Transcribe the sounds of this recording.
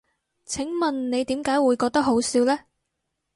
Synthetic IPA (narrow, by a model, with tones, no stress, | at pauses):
t͡sʰɪ˨˥ŋmɐ˨nne˨˧jt̪iː˨˥mkaː˨˥jwuː˨˧jkɔː˧k̚t̪ɐ˥k̚ho˨˥wsiː˨˥wlɛː˥